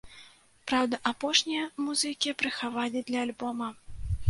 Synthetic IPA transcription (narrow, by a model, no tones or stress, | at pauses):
pɾawd̪ɐʔapɔʂnʲijɐmuzɨkʲipɾɨxavalʲid̪lʲɐːlʲbɔmɐ